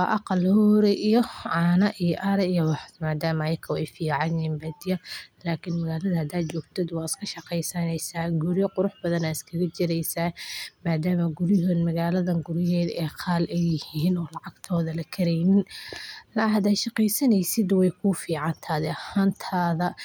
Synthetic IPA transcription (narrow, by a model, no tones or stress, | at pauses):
wɑːʔɑqɑlhɔːɾɛʔijɔʕɑːnɐʔijɔʔɐɾɛijɐwɑħmaːd̪aːmɐjkʰɐwɛjfiːʕɑnjiːnbɐd̪ɪjɐlaːkʰɪnmɐɣaːlɐðɐhɐd̪aːd̪t͡ʃɔːɡt̪ʰɛd̪wɑːɪskʰɐʃɑqɛjsɐnɛjsaːɡʊɾjɔqʊɾʊħbɐðɐnaːɪskʰɐɣɐt͡ʃɪɾɛjsaːmaːd̪aːmɐɡʊɾɪɦɔnmɐɣaːlɐðɐɡʊɾɪɦɛːd̪ɛːqʰɑːlɛjːɪhiːnɔːlɑʕɑɡ̥t̪ʰɔːðɐlɐkʰɐɾɛjnɪnlɐɐd̪ɛʃɑqɛjsɐnɛjsɪd̪wɛjkʰʊfiːʕɑnt̪ʰaːðɛɐhaːnt̪ʰaːðɐ